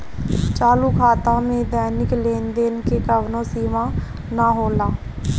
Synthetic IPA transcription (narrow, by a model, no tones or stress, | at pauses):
t͡ʃaːluːkʰaːt̪ãːmẽːd̪ɛːnɪkleːnd̪eːnkekəʋnõːsiːmãː | naːɦoːlaː